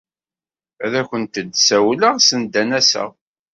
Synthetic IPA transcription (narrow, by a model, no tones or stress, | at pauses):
æðæçənt̪əd̪sæwləʁsənd̪ænæsə̰ʁ